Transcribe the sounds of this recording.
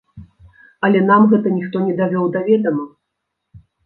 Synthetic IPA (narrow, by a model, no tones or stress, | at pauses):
ɐlʲɛn̪amɣɛt̪ɐnʲixt̪ɔnʲɛd̪avʲɔwd̪avʲɛd̪ɐmɐ